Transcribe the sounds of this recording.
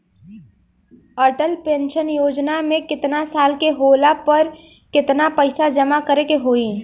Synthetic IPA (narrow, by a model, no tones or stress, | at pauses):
əɾʈəlpẽːnʃənjoːd͡ʒnamẽkɪt̪nasaːlkeɦoːlapəɾ | kɪt̪napəɪsad͡ʒɐmakəɾekeɦoːi